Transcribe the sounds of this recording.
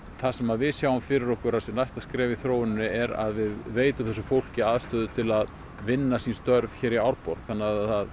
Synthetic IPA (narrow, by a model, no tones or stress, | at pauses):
θasɛmaðvɪðsjaːwʏmfɪɾɪɾɔhkʏɾasɛmnajst̪askɾɛːvɪθɾoːwɪnːʏɛɾa̰ðvɪðveːjt̪ʏmθɛsʏfowl̥cɪaːðst̪ʏːðʏt̪ʰɪlað | vɪnːasinst̪œɾv̥çɛːɾiawɾpɔɾθanːaθað